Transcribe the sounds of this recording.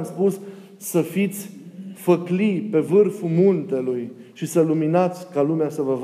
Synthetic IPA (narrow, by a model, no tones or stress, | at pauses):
mspus | səfit̪sʲfəklipe̞vɨrfumunt̪e̞lujʃisəluminat̪sʲkalumeasəvəv